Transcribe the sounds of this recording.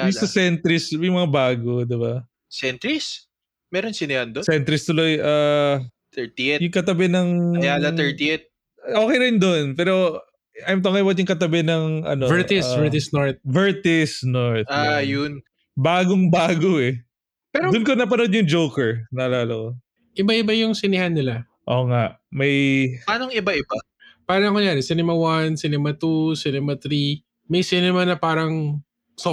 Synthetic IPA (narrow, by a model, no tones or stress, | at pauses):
jʊŋɐsɛnt̪ɾɪsmɐjmɐŋabaːɡod̪ɪba | sɛnt̪ɾɪs | mɛːɾonsɪnɪand̪osɛnt̪ɾɪst̪ʊlo̞jʔaː | t̪ɛɹt̪iɛjʊŋkɐt̪ɐbɛnɐŋjalɐɛɹt̪iɛt̪̚ | ʔoːkɛjɾɪnd̪onpɛːɾo̞ | ʔɐjmt̪oŋɐjbɐt̪jʊŋkɐt̪̬ɐbɛnɐŋɐ̰novɛt̪ɪsvɛɹt̪ɪsnɔɹt̪̚vɛɹt̪ɪsnoɹt̪ajʊn | baːɡoŋbaːɡoɛ | pɛːɾod̪ʊnkonɐp̬ɐnod̪̚ɲʊŋd͡ʒowkɛɹnɐlaːlɐko | ʔɪbaʔɪbajʊŋsɪnɪhanːɪla | ʔoːŋaʔmɐjpaːnoŋɪbaʔɪba | paːɾɐɐŋʊŋjaːɾɛsɪnɛmɐwɐnsɪnɛmɐt̪usɪnɛmɐt̪ɾi | mɐjsɪnɛmɐnɐpaːɾɐŋ | so